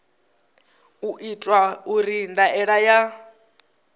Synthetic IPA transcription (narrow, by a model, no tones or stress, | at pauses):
uʔitʼwauɾindaʔɛɺaja